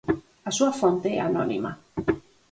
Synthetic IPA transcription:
asuafont̪eɛ̰anɔnḭma̰

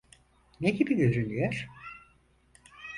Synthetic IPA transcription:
neɟibid̪yɾynyjøɾ̥

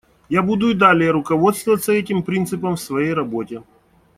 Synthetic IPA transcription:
jabud̪ʊɪd̪alʲɪjəɾʊkɐvo̞t̪st̪vəvət̪səɛtʲɪmpɾʲint̪sɨpəmfsvɐjejrɐbotʲɪ

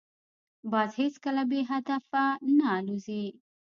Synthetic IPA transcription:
bɑzheskəlabeɦad̪afananuzi

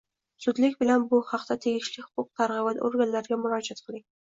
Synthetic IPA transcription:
sʊd̪lɪkʲbɪlanbʊhɑqt̪at̪ʰe̞ɡʲɪʃlɪhʊ̥qʰʊq̚t̪ʰaɾʁɨvat̪oɾɡʲanlaɾɡʲamʊɾɒd͡ʒat̪̚qʰɨlˠɪŋ

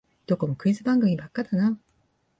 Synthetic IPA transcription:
t͡ɕok͈ɯmkɯisʰɯpaŋɡɯŋimak͈ːadana

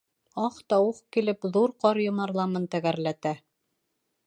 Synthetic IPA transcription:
ɑqt̪ɑwɤqkilɘpðuɾqɑɾjŏmɑɾlˠɑmɤnt̪æɣæɾlæt̪æ

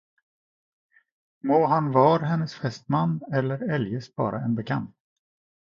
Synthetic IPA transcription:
moːɦanvɑːɾaɦɛnːəsfɛst̪manːɛlːəɾɛljəsbɑ̰ːɾʔa̰ɛnbɛkʰa̰nt̪

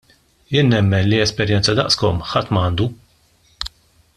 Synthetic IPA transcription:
jɪːnːɛmːɛnliɛspɛɾjɛnt͡sɐd̪ɐʔskɔmħɐt̪ːmɐːnd̪u

